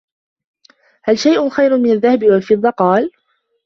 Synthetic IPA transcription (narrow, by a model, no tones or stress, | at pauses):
halʃajʔʊxajɾʊmɪnaðːahabɪwalfɨd̪ˤːɑqɑːl